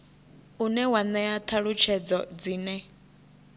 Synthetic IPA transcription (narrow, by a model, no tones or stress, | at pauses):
unɛwanɛat̪ʰaɺut͡ʃʰɛd͡zɔd͡ziːnɛ